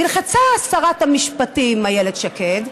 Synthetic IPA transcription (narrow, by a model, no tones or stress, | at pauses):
ilχat͡saːsaʁatamiʃpatimajeled̪ʃaked